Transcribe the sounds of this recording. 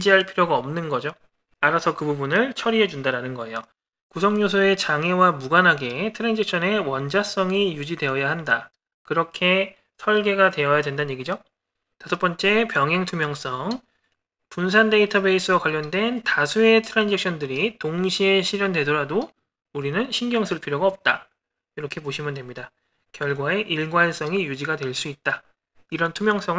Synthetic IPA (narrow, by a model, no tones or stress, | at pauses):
d͡ʑiɦaɭpʰiɾjoɡaʌmnɯnɡʌd͡ʑo | aɾasʰʌkɯbubunɯɭt͡ɕʰʌɾiɦe̞d͡ʑundaɾanɯnɡʌe̞jo | kusʰʌŋɲosʰoe̞t͡ɕaŋewamuɡanɦaɡe̞tʰɯɾend͡ʑek̚ɕʰʌne̞wʌnd͡ʑas͈ʌŋijud͡ʑidwe̞ʌjaɦanda | kɯɾʌkʰe̞ | sʰʌɭɡe̞ɡadwe̞ʌjadwe̞ndanɲjeɡid͡ʑo | tasʰʌp͈ʌnt͡ɕ͈e̞pjʌŋɦeŋtʰumjʌŋs͈ʌŋ | puns̬ʰande̞itʰʌbe̞is͈ʰɯwakwaʎːʌndwe̞ntasʰue̞tʰɯɾand͡ʑek̚ɕ͈ʰʌndɯɾitoŋɕʰieɕʰiɾjʌnde̞doɾado | uɾinɯnɕʰinɡjʌŋsʰɯɭpʰiɾjoɡaʌp̚t͈a | iɾʌkʰe̞boɕʰimɯndwe̞mɲida | kjʌɭɡwae̞ʔiɭɡwans͈ʌŋijud͡ʑiɡadwe̞ɭs͈uit̚t͈a | iɾʌntʰumjʌŋs͈ʌŋɯ